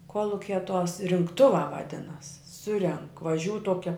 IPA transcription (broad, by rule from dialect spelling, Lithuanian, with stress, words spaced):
ˈkuɔlˠʊkʲɛ tuɔs rʲɪŋkˈtʊʋɑː ʋɐˈdʲɪnɐs ˈsʊrʲɛŋk ʋɐˈʒʲuːʊ ˈtuɔkʲɛ